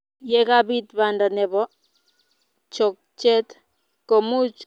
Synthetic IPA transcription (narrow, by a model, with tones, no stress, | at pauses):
jɛka˦bi˦tbanda˨nɛ˨bɔ˦ | t͡ʃɔ˨k̚t͡ʃɛ˦t | ko˨mu˦t͡ʃ